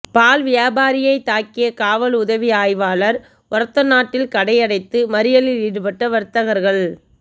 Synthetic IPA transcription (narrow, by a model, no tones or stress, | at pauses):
paːlʋɪjaːbaːɾɪjɐɪt̪aːkːɪjɐkaːʋɐlʊðɐʋiaːjʋaːlɐɾ | ʔɐɾɐt̪ːɐnːaːʈːɪlkɐɽɐɪɐɽɐɪt̪ːɯmɐɾɪjɐlɪliːɽɯpɐʈːɐʋɐɾt̪ːɐɣɐɾɣɐɭ